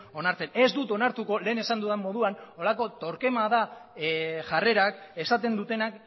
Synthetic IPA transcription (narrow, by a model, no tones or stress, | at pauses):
o̞naɾt͡se̞ne̞zd̪ut̪o̞naɾt̪uko̞le̞ːne̞sand̪uðemːo̞ð̞uano̞lako̞t̪o̞ɾke̞maða | ʝare̞ɾake̞sat̪e̞nd̪ut̪e̞nak